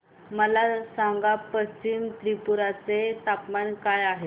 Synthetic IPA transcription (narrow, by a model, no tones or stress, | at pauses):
məlasãŋɡapəst͡ɕimt̪ɾipuɾat͡set̪apmankajaɦe